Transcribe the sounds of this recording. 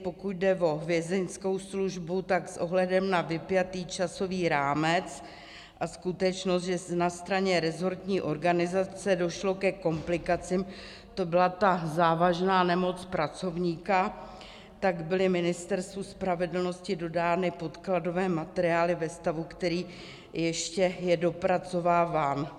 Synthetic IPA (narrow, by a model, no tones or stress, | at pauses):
pokuɟ̪̚dɛvo̞ɦvjɛzɛnsko̞wsluʒbut̪aksʔo̞ɦlɛdɛmnavɪpjat̪iːt͡ʃaso̞viːɾaːmɛt͡s | ʔaskut̪ɛt͡ʃnost̪ʒɛsnast̪ɾaɲɛɾɛzo̞ɾt̪ɲiːʔo̞ɾɡanɪzat͡sɛdo̞ʃlo̞kɛko̞mplɪkat͡sɪm | t̪o̞bɪlat̪azaːvaʒnaːnɛmo̞t͡spɾat͡so̞vɲiːka | t̪aɡbɪlɪmɪnɪst̪ɛɾst̪vuspɾavɛdl̩no̞scɪdo̞daːnɪpo̞t̪klado̞vɛːmat̪ɛɾɪaːlɪvɛst̪avukt̪ɛɾiː | jɛʃcɛjɛdo̞pɾat͡so̞vaːvaːn